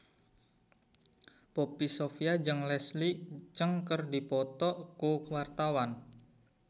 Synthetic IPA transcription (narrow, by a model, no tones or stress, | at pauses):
popisofiad͡ʒəŋlɛslit͡ʃəŋkərdipɔt̪ɔʔkukwart̪awan